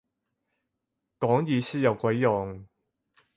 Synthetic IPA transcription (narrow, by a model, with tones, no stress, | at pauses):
kɔː˨˥ŋjiː˨˧siː˥jɐ˨˩wkʷɐ˨˥jːɔː˨˩ŋ